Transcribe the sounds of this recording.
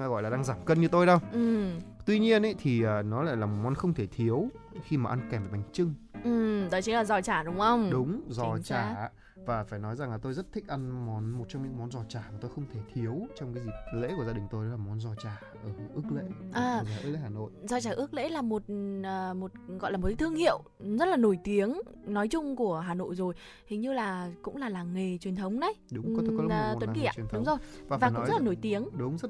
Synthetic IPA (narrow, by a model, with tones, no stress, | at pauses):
a˧ɣɔ̰˧˨jla˨˩ɗaː˧ŋzaː˧˩mkə˧nɲɨ˧t̪o˧jɗə˧wʔɨ˨˩t̪wi˧ɲi˧ənʔa˨˦jt̪ʰi˨˩ʔəː˨˩nɔ˨˦la̰ː˧˨laː˨˩mo˨˩mɔ˨˦nxə˧wŋ͡mt̪ʰe˧˩t̪ʰi˨˦əwxi˧maː˨ʔa˧nkɛ˧˩mvaː˨˩ɓa˨˩ŋ̟t͡ɕɨ˧ŋ | ʔɨ˨˩ɗɔ˨˦t͡ɕɨ˨˦ŋlaː˨˩zɔ˨˩t͡ɕaː˧˩ɗʊ˨˦wŋ͡mxə˧wŋ͡mɗʊ˨˦wŋ͡mzɔ˨˩t͡ɕaː˧˨˩ | vaː˨˩faː˧˩jnɔ˨˦jza˨˩ŋlaː˨˩t̪o˧jzə˦˥t̚t̪ʰï˦˥k̟̚ʔa˧nmɔ˨˦nmo˨˩t̚t͡ɕɔ˧wŋ͡mɲɨ̰˧˥ŋmɔ˨˦nzɔ˧˩t͡ɕaː˧˩maː˨˩t̪o˧jxə˧wŋ͡mt̪ʰe˧˩t̪ʰi˨˦əwt͡ɕɔ˧wŋ͡mkaː˨˦jzi˨˩lḛ˧˥ku˧˩əzaː˧ɗï˨˩ŋ̟t̪o˧jɗɔ˨˦aː˨˩mɔ˨˦nzɔ˧˩t͡ɕaː˨˧˩ʔəː˧˩ʔɨ˦˥k̚lḛ˧˥ʔəː˨˩˧zaː˨˩ʔɨ˧˥k̚lḛ˧˦haː˨˩no̰˧˨jzɔ˧˩t͡ɕaː˧˩ʔɨ˦˥ək̚lḛ˧˥laː˨˩mo˨˩t̚ʔːmo˨˩t̚ɣɔ̰˧˨la˨˩mo˨˩tka˨˦t̪ʰɨ˧əŋhḭ˧˨əw | zə˦˥t̚laː˨˩no˧˩jt̪i˨˦əŋnɔ˨˦jt͡ɕʊ˧ŋ͡mku˧˩əɦaː˨˩no̰˧˨jzo˨˩j | hi˨˩˦ŋɲɨ˧laː˨˩kʊ̰˧˥ŋ͡mlaː˨˩laː˨˩ŋe˨˩t͡ɕwi˨˩ənt̪ʰə˨˦wŋ͡mna˨˦jɗʊ˨˦ŋ͡mɔ˨˦˨kːtwə˨˦˨nki˨˩a̰˨˩nʰɗʊ˨˦ŋ͡mzo˨˩jvaː˨˩vaː˨˩kzlaː˨no˧˩jt̪i˨˦əŋɗʊ˨˦ŋ͡mzə˦˥t̚